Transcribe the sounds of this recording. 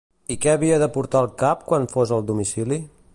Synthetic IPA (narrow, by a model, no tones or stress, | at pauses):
ikɛəβiəðəpuɾt̪aəlˠkap̚kwanfozəlˠd̪umisili